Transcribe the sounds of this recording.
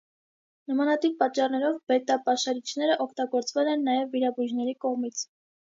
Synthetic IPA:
nəmɑnɑt̪ip̚pɑːɑrnɛɾɔvbɛt̪ɑpɑʃɑɾit͡ʃʰnɛɾəʔɔkʰt̪ɑɡɔɾt͡svɛlɛnːɑjɛvːiɾɑbuʒnɛɾikɔʁmit͡sʰ

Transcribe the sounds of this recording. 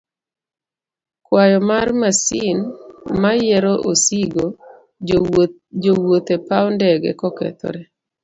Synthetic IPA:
kwajɔmarmasinmajɛɾɔʔosiɡo | d͡ʒowot̪epaɔndɛɡɛ̰kɔkɛ̰t̪ɔ̰ɾɛ

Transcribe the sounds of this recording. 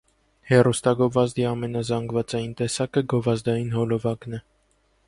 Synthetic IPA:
hɛrust̪ɑɡɔvɑzd̪iɑmɛnɑzɑŋɡvɑt͡sɑjint̪ɛsɑkəɡɔvɑzd̪ɑjinhɔlɔvɑknɛ

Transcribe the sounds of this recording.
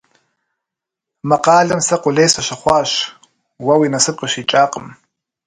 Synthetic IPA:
mɐqɑːɮɐmsɐqʷʼʊɮejsɐʃɐχʷɑːɕ | wɐwiːnɐsɨp̚qʼəɕiːt͡ʃʼaːqʼəm

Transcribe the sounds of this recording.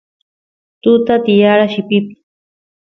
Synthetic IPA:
t̪ʊt̪at̪ɪjaɾaʃɪpɪpɪ̥

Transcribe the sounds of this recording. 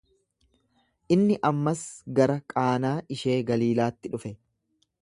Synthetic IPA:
ʔɪnːɪʔɐmːɐsɡɐɾɐkʼaːnaːʔɪʃe̞ːɡɐliːlaːt̪ːɪᶑʊfɛ

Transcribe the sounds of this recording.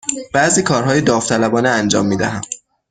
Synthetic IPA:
b̥æʔziːkʰɒːɾɦɒːjed̪ɒːft̪ʰælæbɒːneænd͡ʒɒ̰ːmːiːd̪æɦæm

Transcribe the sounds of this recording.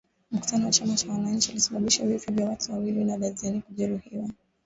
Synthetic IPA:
m̩ku̥tʰanɔwat͡ʃamat͡ʃawanaɲ̩t͡ʃiulisaɓaɓiʃavifɔvjawatuwawilinaɗazianikuʄɛɾuhiwa

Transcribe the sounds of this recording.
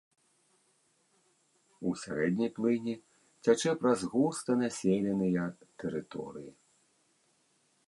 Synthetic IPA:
usʲa̰ɾɛd̪ʲnʲijplˠɨnʲi | t͡sʲat͡ʂɛpɾɐzɣust̪ɐnasʲelʲɛnɨjɐt̪ɛɾɨt̪ɔ̰ɾɨji

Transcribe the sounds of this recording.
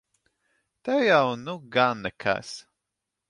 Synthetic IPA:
t̪ɛwjawnuɡanːɛkʰa̰s

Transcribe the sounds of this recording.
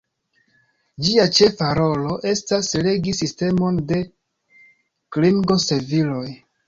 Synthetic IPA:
d͡ʒiat͡ʃe̞faɾo̞lo̞ʔe̞stasle̞ɡisiste̞mo̞nde̞ | kliŋɡo̞se̞vilo̞j

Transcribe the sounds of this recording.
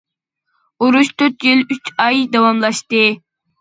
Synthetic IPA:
uɾuʃt̪ʰøt̪jilyt͡ʃɑjd̪ɑwɑmlˠɑʃt̪ɨ

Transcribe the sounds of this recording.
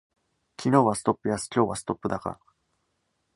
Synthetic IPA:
kʲino̞ːβasɨ̥t̪o̞pːɯ̟jasɨ̥kʲo̞ːβasɨ̥t̪o̞pːɯ̟d̪aka̰ɾ

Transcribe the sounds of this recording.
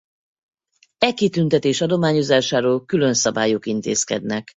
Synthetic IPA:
ɛkit̪ynt̪ɛt̪eːʃɒd̪o̞maːɲo̞zaːʃaːɾoːlkylø̞nsɒbaːjokint̪ḛːskɛ̰d̪nɛk

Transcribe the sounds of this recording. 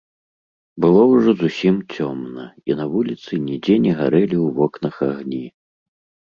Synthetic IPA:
bɨlˠɔwʐɔzusʲimt͡sʲɔmnɐinɐvulʲit̪sɨnʲid͡zʲɛnʲɛɣaɾɛlʲiwvɔknɐxaɣnʲi

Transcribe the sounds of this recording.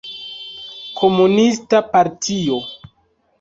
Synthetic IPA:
kʰo̞munistapaɾtʰio̞

